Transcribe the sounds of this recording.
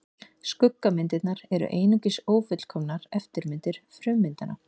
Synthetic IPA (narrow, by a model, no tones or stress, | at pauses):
skʏkːamɪnt̪ɪt̪naɾɛɾʏ̰ʔeːjnʏcɪsoːwfɪt̪l̥kʰɔmnaɾɛft̪ɪɾmɪnt̪ɪɾ̥fɾʏmːɪnt̪ana̰